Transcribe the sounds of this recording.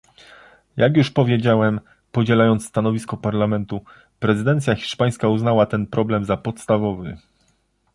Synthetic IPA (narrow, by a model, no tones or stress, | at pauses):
jaɡjuʂpɔvʲjed͡ʑawɛm | pɔd͡ʑɛlajɔnt̪st̪anɔvʲiskɔpaɾlamɛnt̪u | pɾɛzɘd̪ɛnt̪sʲjaxʲi̥ʂpaj̃skauznawat̪ɛnpɾɔblɛmzapɔt̪st̪avɔvɘ̰